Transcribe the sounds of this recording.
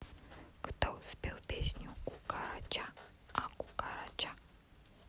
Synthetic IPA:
kə̥t̪awspʲelˠpʲesʲnʲukukaɾat͡ʃa | akukaɾat͡ʃa

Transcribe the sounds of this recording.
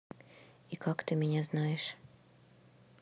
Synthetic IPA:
ikakt̪ɨmʲinʲaznajɛʃ

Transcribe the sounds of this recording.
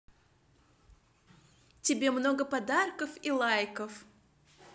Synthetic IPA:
tʲɪbʲe̞mno̞ɡəpɐd̪arkəfilˠajkəf

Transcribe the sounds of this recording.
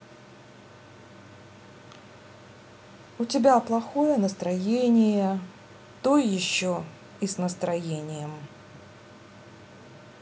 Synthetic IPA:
ʊtʲɪbʲaplˠɐxojənəst̪ɾɐjenʲɪjə | t̪ojɪɕːo | isnəst̪ɾɐjenʲɪjəm

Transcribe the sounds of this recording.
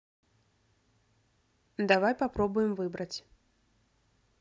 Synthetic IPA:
d̪avajpapɾɔbʊjɛmvɨbɾɐt͡sʲ

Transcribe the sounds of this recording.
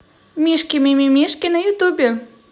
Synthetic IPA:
mʲiʂkʲimʲimʲimʲiʂkʲinɐjut̪ubʲɛ

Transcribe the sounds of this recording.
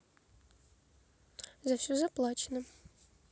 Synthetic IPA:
zɐfsʲuzɐplˠat͡ʃʰnɨ

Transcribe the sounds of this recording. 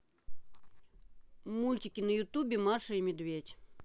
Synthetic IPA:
mulʲtʲɪkʲɪnəjʊt̪ubʲɪmaʂəimʲɪd̪vʲetʲ

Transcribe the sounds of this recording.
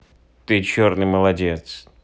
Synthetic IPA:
t̪ɨt͡ɕornɨjməlˠɐdʲe̞t̪s

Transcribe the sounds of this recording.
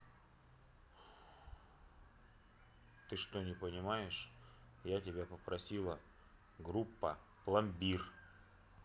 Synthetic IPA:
t̪ɨʂt̪onʲɪpənʲɪmajɪʂ | jatʲɪbʲapəpɾʔɐsʲilˠə | ɡɾupːə | plˠɐmbʲir

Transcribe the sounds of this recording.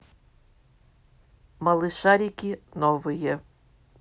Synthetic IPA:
mɐlˠɪʃaɾʲikʲinɔʋɨjɛ

